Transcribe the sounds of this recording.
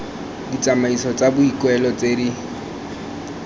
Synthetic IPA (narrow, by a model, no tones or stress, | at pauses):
dit͡sʼamaisɔt͡sʼabʊikʼwɛlɔt͡sʼedi